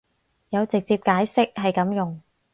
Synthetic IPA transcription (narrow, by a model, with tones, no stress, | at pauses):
jɐ˨˧wt͡sɪ˨k̚t͡siː˧p̚kaː˨˥jsɪ˥k̚hɐ˨jkɐ˨˥mjʊ˨ŋ